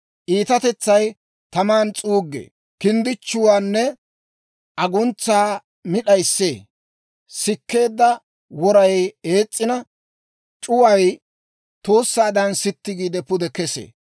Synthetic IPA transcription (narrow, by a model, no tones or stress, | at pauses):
ʔiːt̪ɐt̪ɛt͡sːɐj | t̪ɐmaːnt͡sʼuːɡːḛː | kɪnd̪ɪt͡ʃːʊwaːnːɛ | ʔɐɡʊnt͡sːaː | mɪɗɐjsːḛː | sɪkːe̞ːd̪ːɐ | wɔɾɐje̞ːt͡sʼːɪnɐ | t͡ʃʼʊwɐj | t̪oːsːaːd̪ɐnsɪt̪ːɪɡiːd̪ɛpʊd̪ɛkɛsḛː